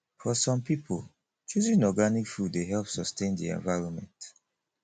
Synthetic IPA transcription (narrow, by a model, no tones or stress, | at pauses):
fɔsɔ̃mpipʰol | t͡ʃuzĩnɔɡanikfuddeɦɛlpsɔstẽndḭɛ̰̃ɱvaɪɹɔnmɛ̃nt